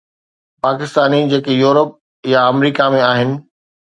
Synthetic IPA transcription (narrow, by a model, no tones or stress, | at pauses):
paːkɪst̪aːnid͡ʑeːkejuːɾəp̚ | jaɐmɾiːkamẽaːɦɪnɪ̆